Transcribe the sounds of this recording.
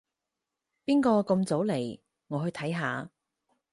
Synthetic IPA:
piː˥nkɔː˧kɤ˧mt͡so˨˥wle˨˩j | ŋɔː˨˧ɦɵ˧ɥt̪ʰɐ˨˥jɦaː˨˧

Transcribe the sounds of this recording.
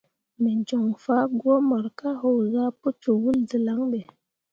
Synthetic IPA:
me˨n˨d͡ʒɔ˨ŋfa˦ɡwɔ˦ma˨ɾka˦ɦo˨wɣa˦pə˦t͡ʃo˨wu˦ld͡zə˨la˨˦ŋɓe˨

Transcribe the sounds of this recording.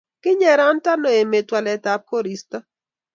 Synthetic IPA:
kɪ˦ɲɛ˨ɾa˦nta˦no˨e˨me˨twa˨lɛ˨ta˨p̚ko˦ɾi˨stɔ˦

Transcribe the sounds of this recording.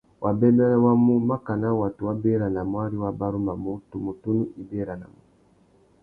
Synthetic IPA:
wʔa˨bɛ˦da˦la˦wa˦mu˦ma˦ka˨na˦wa˨tu˨wa˦bɛ˦ɾa˨na˨mwa˦ɾi˦wa˦ba˦ɾu˦ma˨mu˦tu˨mu˨tu˦nu˦ʔi˨bɛ˦ɾa˨na̰˨mu˨

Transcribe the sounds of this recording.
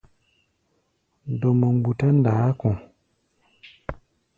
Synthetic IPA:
do˨mə˨ŋ͡mɡ͡bu˨ta˦n̩˦daː˨˦kɔ̃˨

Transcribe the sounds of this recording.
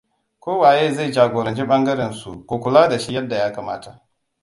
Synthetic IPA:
kʷoː˦waː˨jeː˦za˦˨d͡ʒaː˨ɡʷoː˨ɾɐ˨nt͡ʃi˦ɓɐ˦ŋɡɐ˦ɾɛ˨nsṵ˨kʷo˨kʷʊ˨laː˦da˨ʃi˦jɐ˦dːa˨jaː˦ka˨maː˦ta˨ʔ

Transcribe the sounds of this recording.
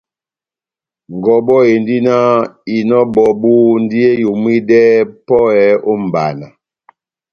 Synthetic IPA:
ŋ˨ɡɔ˨bɔ˦e˨n˦di˦na˦i˨nɔ˦bɔ˨bu˦n˦di˦e˦ju˨mwi˦dɛ˦pɔ˦ɛ˨˦o˦m̩˨ba̰˨na˨

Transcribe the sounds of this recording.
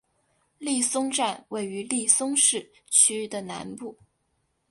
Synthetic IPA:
li˥˩sʊ˥ŋʈ͡ʂa˥˧nwe˥˩ɪy˧˥li˥˩sʊ˥ŋʂɻ̩˥˩t͡ɕʰy˥d̪ə˨na̰˧˥npu˥˩

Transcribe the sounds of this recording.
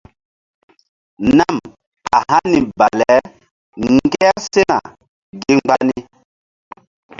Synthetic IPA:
na˦˨m | a˨hã˦ni˨ba˨lɛ˨˦ | ŋ˦ɡe˦ja˦se˦na̰˨ | ɡe˦ŋ͡mɡ͡ba˦ni˦

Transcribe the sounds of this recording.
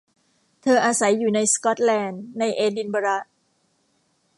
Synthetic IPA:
t̪ʰɤː˧ʔaː˧sa˩˦jːuː˨˩na˧jskɔ˦˥t̪̚lɛː˧nːa˧jʔeː˧di˧nba˧ɾa˦˥

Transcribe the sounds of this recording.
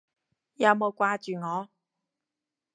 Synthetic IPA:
jɐ˨˧˥wmo˨˧wkʷaː˧t͡ʃyː˨ŋɔː˨˧

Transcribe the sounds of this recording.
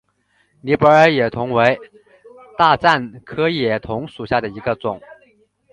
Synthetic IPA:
ni˧˥pə˧˥ə˧˥jɛ˨˩t̪ʰʊ˧˥ŋwe˧˥ɪ | t̪a˥˧t͡sa˥˩nkʰɤ˥jɛ˨˩t̪ʰʊ˧˥ŋʂu˨˩ɕja˥˩d̪ə˩i˧˥ɡə˧t͡sʊ˨˩˦ŋ

